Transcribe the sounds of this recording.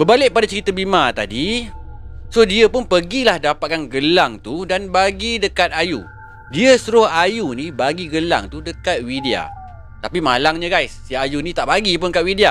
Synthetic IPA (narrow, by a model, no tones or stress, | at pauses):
bəbalɪʔ̚padat͡ʃəɾit̪abimat̪adi | sohdiəpʊnpəɡilahdapat̪̚kanɡəlaŋt̪udanbaɡidəkat̪̚ajṵ | diəsuɾʊhajunibaɡiɡəla̰ŋt̪udəkat̪̚widia̰ | t̪apimalaŋɲə̃ɡajsiajunĩt̪aʔbaɡipʊnkat̪̚widia